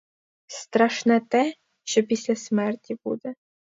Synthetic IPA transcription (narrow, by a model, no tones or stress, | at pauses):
st̪ɾaʃnat̪ɛ | ʃɔpʲisʲlʲɛsmɛrt̪ʲibṵd̪ɛ